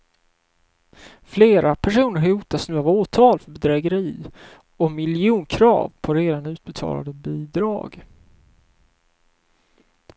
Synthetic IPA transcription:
fleːɾapʰæʂuːnəɾɦhɑhuːt̪asnʉ̟ːavoːt̪ʰɑːlfœbɛd̪ɾɛːɡəɾiː | ɔmɪljɪuːnkʰɾɑ̰ːvpʰɔɾeːd̪anʉ̟ːt̪̚bɛt̪ʰɑ̰ːla̰d̪əbiːd̪ɾɑ̰ːɡ

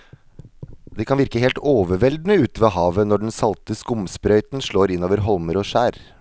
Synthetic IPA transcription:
d̪ɛːkʰɑnʋɪɾkəɦeːlt̪oːʋəʋɛld̪nəʉːt̪əʋeːɦɑːʋənɔɖɛnsɑlt̪əskʊmspɾœʏt̪nʂɭoːɾɪnːoːʋəɾɦɔlməɾoːʂæːɾ

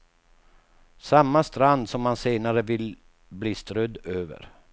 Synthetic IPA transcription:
samːast̪ɾand̪sɔmːanseːnaɾəvɪl | bliːst̪ɾœd̪øːvə̰ɾ

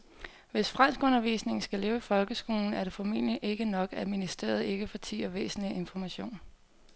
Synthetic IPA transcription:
ʋe̝sfʁan̰sɡ̥ɔ̽nɐʋḭːsne̝ŋn̩sɡ̥æle̝ːʊifɒ̽lɡ̥əsɡ̥o̝ːln̩æɐɾ̥e̝fɒ̽mḛn̰liʔe̝ɡ̥ənɒ̽ɡ̥æðˠminisd̥e̝̰ːɐð̞̩ˠe̝ɡ̥əfɒ̽t͡sʰḭːɒʋḛːsn̩lie̝nfɒmæɕo̝̰ːn

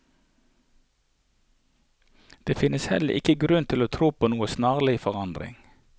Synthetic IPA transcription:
d̪̥eːfɪnəshɛ̰ləʔɪ̰kəɡɾʉnt̪ʰɪloːt̪ʰɾuːpʰoːnuːəsnɑːʁlɪfɔʁɑnd̪ʁɪ̰ŋ

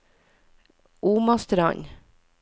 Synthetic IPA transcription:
ʔuːmɑst̪ɾɑ̰ɲ

